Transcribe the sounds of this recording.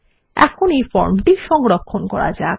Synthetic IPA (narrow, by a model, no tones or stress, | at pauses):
ɛ̰kʰonejfɔɾmʈiʃɔŋɾokʰːonkɔɾa̰d͡ʑa